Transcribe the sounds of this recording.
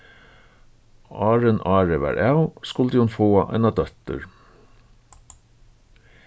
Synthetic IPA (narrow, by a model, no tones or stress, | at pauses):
ʔɑːɹənɑːɹəʋæ̰ːɾʔæʉskʊld̪iːhʊnfoːɑʔæ̰ɪnɑd̪œt̪ə̰ɹ